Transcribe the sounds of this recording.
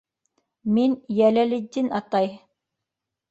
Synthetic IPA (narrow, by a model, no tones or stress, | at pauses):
minjælælɘ̆d̪ʲinɑt̪ɑj